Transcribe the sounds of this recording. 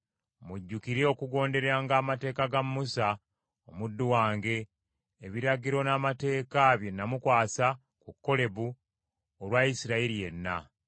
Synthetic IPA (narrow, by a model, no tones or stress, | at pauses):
muɟːukiɾeo̞kuɡo̞ːnde̞ɾeaːŋɡaːmate̞ːkaɡamːusa | omudːuwaːŋɡe̞ː | βiɾaɡiɾo̞naːmate̞ːkaβje̞nːamukwaːsa | kukːo̞le̞βu | olwajisiɾaiɾije̞nːa̰